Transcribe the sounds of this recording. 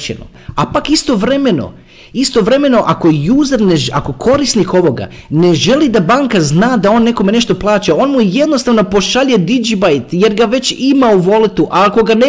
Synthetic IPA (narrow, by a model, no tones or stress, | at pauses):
t͡ɕḛno̰ | apakist̪o̞ʋɾe̞me̞no̞̰ | ist̪o̞ʋɾe̞me̞no̞ʔako̞juːzaɾneʒako̞kʰo̞ɾisniko̞ʋo̞ɡa̰ne̞ʒe̞lid̪abaːŋkaznaːd̪ao̞nːe̞ko̞me̞ne̞ʃt̪o̞plˠaːt͡ɕao̞ːnmuje̞d̪nost̪aʋno̞po̞ʃaʎed̪id͡ʒibajt̪je̞ɾɡaʋe̞t͡ɕimauʋo̞lit̪uʔako̞ɡane